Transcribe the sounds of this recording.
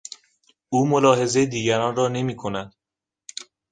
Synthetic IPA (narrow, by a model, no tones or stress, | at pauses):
uːmolɒːɦe̞ze̞jed̪iːɟæɾɒːnrɒːne̞miːkʰo̞næd̪̥